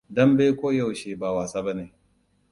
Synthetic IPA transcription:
dɐ˦mbe˦kʷoː˦ja˦˨wʃeː˨ba˨waː˨saː˦bɐ˦neː˨

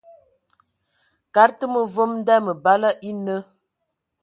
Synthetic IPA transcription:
ka˨˦ɾtə˦mə˨vo˦mn˦da˦mə˨ba˦la˦ʔi˦nə˦

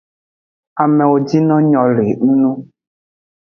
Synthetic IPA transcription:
a˨mɛ˨wo˨d͡ʒi˦nɔ̃˦ɲɔ̃˨le˨n̩˦nũ˦

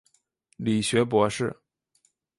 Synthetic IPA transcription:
li˨˩ɕɥɛ˧˥p̬wɔ˧˥ʂɻ̩˥˩

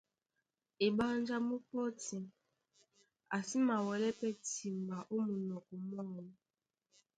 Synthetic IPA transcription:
e˨ba˦n˦d͡ʒa˦mu˦pɔ˦ti˨ | a˨si˦ma˨wɛ˨lɛ˦pɛ˦ti˨mba˨ʔo˦mu˨nɔ˨kɔ˨mɔ˦˨n˦

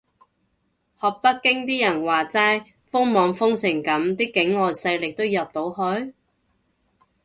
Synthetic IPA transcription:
hɔː˨k̚pɐ˥t̚kɪ˥ŋt̪iː˥jɐ˨˩nwaː˨˩t͡saː˧˥j | fʊ˥ŋmɔː˨˧ŋfʊ˥ŋsɪ˨˩ŋkɐ˨˥mt̪iː˥kɪ˨˥ŋɔː˨jsɐ˧jlɪ˨k̚t̪o˥wjɐ˨p̚t̪o˨˥whɵ˧˥ɥ

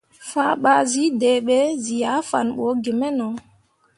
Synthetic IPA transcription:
faː˦ɓa˦zi˨˦de˨ɓe˦zi˨ja˨˦fa̰˨nɓo˨˦ɡe˨mɛ˦nɔ˨

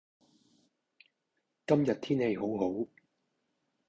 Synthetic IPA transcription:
kɐ˥mjɐ˨t̚t̪ʰiː˥nhe˨˧jɦo˨˥wɦo˨˥w

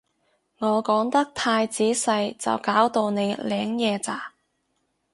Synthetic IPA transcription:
ŋɔː˨˧kɔː˨˥ŋt̪ɐ˥k̚t̪ʰaː˧jt͡siː˨˥sɐ˧jt͡sɐ̰˨˩wkaː˨˥wt̪o˧wne˨˧jlɛː˨˥ŋjɛː˨˧t͡saː˨˩

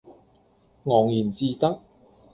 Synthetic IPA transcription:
ŋɔː˨˩ŋjiː˨˩nt͡siː˧t̪ɐ˥k̚

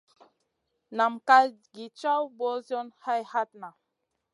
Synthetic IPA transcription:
na˨mka˦ɡi˨t͡ʃa˦wbɔ˦zjɔ˦nha˦jha˦t̚na˨

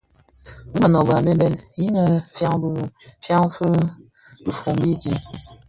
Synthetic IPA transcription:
mə˨nɔ˨ba˨be˦bɛ˨ni˦nə˨fja˦ŋbfja˦ŋfə˦ | bi˨fo˨mbi˦d͡ʒi˦

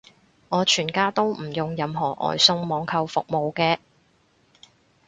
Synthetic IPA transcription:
ŋɔː˨˧t͡ʃʰyː˨˩nkaː˥t̪o˥wm̩˨˩jʊ˨˩ŋjɐ˨˧mɦɔː˨˩ʔɔ̰ː˨˩jsʊ˧ŋmɔː˨˧ŋkʰɐ˧wfʊ˨k̚mo˨˧wkɛː˧

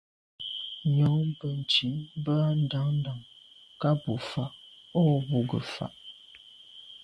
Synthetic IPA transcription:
ɲɔ˨˦ŋbə˨n̩˨ti˨˦bə˦a˦n̩˦˨da˨˦ŋn̩˦da˨ŋ | ka˦bu˨fa˨ʔɔ˦bu˨ɡə̰˨fa̰˨ʔ

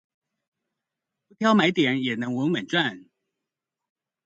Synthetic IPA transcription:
pu˧˥t̪ʰjɑ˦˥ʊma˧˥ɪt̪jɛ˨˦njɛ˨˩nə˧˦ŋwə˧˥nwə˨˩nʈ͡ʂwa˥˨n

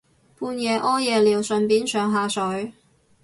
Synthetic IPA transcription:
pʰuː˧njɛː˨˧ʔɔː˥jɛː˨˧liː˨˩wsɵ˨˧npiː˨˥nsœː˨˧ŋɦaː˨˧sɵ˨˥ɥ

